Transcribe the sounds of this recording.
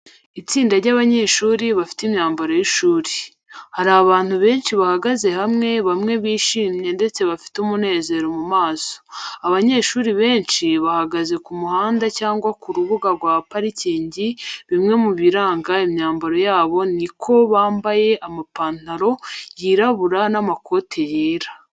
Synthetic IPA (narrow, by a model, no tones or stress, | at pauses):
it͡siːndaɾɟaːβaɲe̞ːʃuːɾiβafi̥timɲaːmbaɾo̞jiʃuːɾi | haɾaβaːn̥huβe̞ːnʃiβahaɡaze̞hamŋe̞βamŋe̞βiːʃiːmɲe̞nde̞t͡se̞βafi̥tumune̞ːze̞ɾomumaːso̥aβaɲe̞ːʃuːɾiβe̞ːnʃiβahaɡaze̞kumuhaːndacaːŋɡwakuɾuβuɡaɾɡwaːpaɾiciːɲɟiβimŋe̞muβiɾaːŋɡaimɲaːmbaɾo̞jaːβo̞nikʰo̞βaːmbaje̞ʔamapaːntaɾo̞jiːɾaβuɾanamakʰo̞ːtʰejeːɾa